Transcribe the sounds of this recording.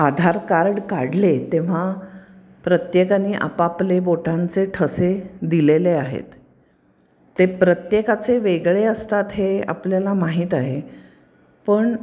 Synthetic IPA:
ad̪ʱaɾkaɾɽkaɽlet̪eʋ̤a | pɾət̪jekaniːʔa̰papleboʈant͡seʈʰəsed̪ileleaɦḛt̪ | epɾət̪jekat͡seʋeɡɭeəst̪at̪ɦea̰pljalamaɦiːt̪aɦe | pəɳ

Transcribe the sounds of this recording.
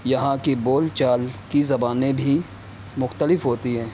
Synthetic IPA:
jɐɦãkiboːlt͡ʃaːlkizɐbaːnẽbʱi | mʊxt̪əlɪfɦoːt̪iɦɛ̃ː

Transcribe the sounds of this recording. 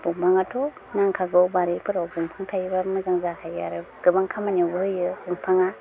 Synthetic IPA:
buŋpʰaŋatʰɔ | naŋkʰaɡɯwbaɾipɯɾawbuŋpʰaŋtʰajbamɯzaŋzakʰajaɾɯɡ̥ɯbaŋkʰamanowbɯhɯjɯɯŋpʰaŋa

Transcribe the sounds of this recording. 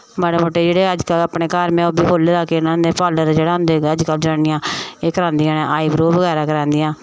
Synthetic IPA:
məɽːməʈːeːd͡ʒeːɽeːəd͡ʒkəlaːpɳeːkaːɾmɛ̃ːoːbiːkoːlːeːd̪aːkeːɪnãːd̪eːpʰaːləɾd͡ʒeːɽaːɦʊ̃nd̪eːəd͡ʒkəld͡ʒaːɪjãːeːkəɾãːnd̪iːãːnɛ̃aːiːbɾoːʋəɡɛːɾaːkəɾãːnd̪ɪjãː

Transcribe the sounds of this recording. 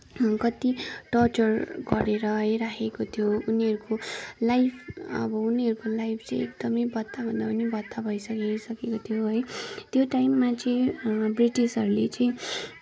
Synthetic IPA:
kʌt̪iʈʌrt͡sʌrɡʌɾeɾʌɦʌjɾakʰekot̪ʰjouniɦʌɾukolajpʰʌ̰bʌuniɦʌɾukolajpʰt͡sʌj̃ekd̪̥ʌmʌjbʌt̪ːabʱʌnd̪apʌnibʌt̪ːabʱʌjsʌkesʌkekot̪ʰjoɦʌjt̪joʈajmːat͡sʌĩbriʈisʌɾulet͡sʌĩ

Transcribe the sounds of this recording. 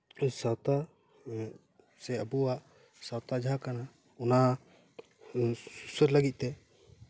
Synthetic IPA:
sawt̪a | sɛəbuaʔ | sawt̪ad͡ʒʱakana | ɔna | susəɾləɡit̪̚ˀt̪ɛ

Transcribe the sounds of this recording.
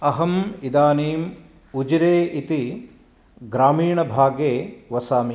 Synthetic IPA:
ɐɦɐmid̪aːniːm | ud͡ʒɾeːʔit̪i | ɡɾaːmiːɳɐbʱaːɡeːʋɐsaːmi

